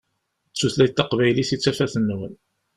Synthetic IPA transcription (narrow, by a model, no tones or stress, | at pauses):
t͡sːuθlæjt̪ːɑqvæjliθit͡sːæfæθənːwən